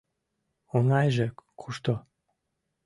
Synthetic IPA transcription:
onɑjʒekʰuʃt̪o

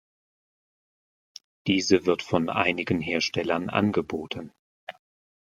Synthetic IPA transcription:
d̥iːzəvɪɐtfɔnʔa̰ɪnɪɡənɦeːɐʃtɛlɐnʔa̰nɡəboːtʰən̩

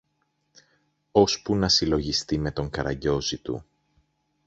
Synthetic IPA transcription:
o̞spunɐsilo̞ʝist̪ime̞t̪o̞ŋkɐɾɐ̰ɟo̞zit̪ṵ

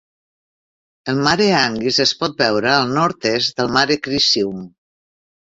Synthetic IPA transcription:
əlˠmaɾeaŋɡizespɔt̪̚bɛwɾəalˠnɔɾt̪ezd̪əlˠmaɾekɾisium

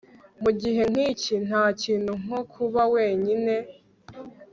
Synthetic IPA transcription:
muɟiɦe̞ŋ̥icin̥haːciːn̥huŋ̥okʰuβawe̞ːɲine̞

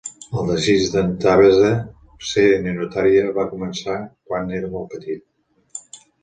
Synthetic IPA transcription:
əlˠd̪əʒiʒd̪ənt̪aβezə | seenenut̪aɾiəβakumənsakwaneɾəmɔlˠpət̪it̪̚

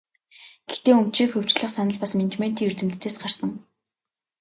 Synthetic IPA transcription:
ɡ̥ext̪eːɵm̥t͡ɕiːkxɵw̥t͡ɕɮə̆χsanə̆ɮpasment͡ɕmen̥t̪iːŋurt̪ɘ̆mt̪ʰːeːsɢarsə̆ŋ

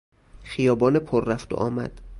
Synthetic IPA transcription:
xijɒːbɒːnepʰoɾːæft̪o̰ʔɒːmæ̰d̪̥

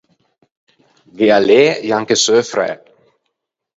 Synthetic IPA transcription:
vialeːjaŋkəsøːfɾɛ̰

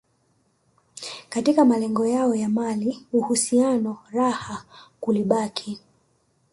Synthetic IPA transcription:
katikamalɛŋɡɔjaɔjamaliuhusianɔɾahakuliɓakʰi

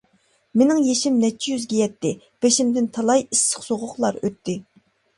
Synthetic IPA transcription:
menɪŋjeʃimnɛt͡ʃʰːijyzɡʲɛjɛt̪ːɪ | b̥eʃimd̪ɪnt̪ʰɑlˠɑjisːə̥χsoʁʊχlˠɑɾøt̪ʰːɪ

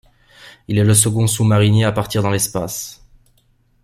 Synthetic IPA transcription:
ilɛləs̬əɡɔ̃sumaʁineapaʁt̪iʁd̪ɑ̃lɛspas

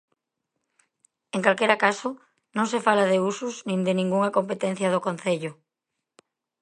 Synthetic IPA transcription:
eŋkalkeɾakasʊ | nõŋsefalaðeusʊsnĩnd̪ɪnĩŋɡuŋɐkompet̪ɛn̟θjɐð̞okon̟θeʎʊ

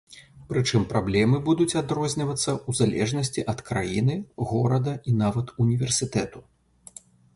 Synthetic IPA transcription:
pɾɨt͡ʂɨmpɾablʲɛmɨbud̪ut͡sʲad̪ɾɔzʲnʲɐvɐt̪sːɐuzalʲɛ̰ʐnɐsʲt͡sʲiʔɐt̪kɾajinɨɣɔɾɐd̪ɐinavɐt̪unʲivʲɛrsʲɨt̪ɛt̪u

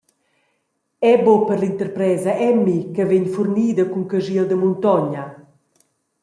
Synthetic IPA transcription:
ɛbopəɾlint̪əɾpɾɛːzɐʔɛmːikəveɲfurniːd̪əkuŋkəʒild̪əmunt̪ɔɲɐ

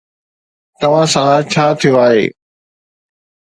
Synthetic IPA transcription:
t̪ɐʋ̤ãsɐlat͡ɕʰaːt̪ʰijoaːɦḛː

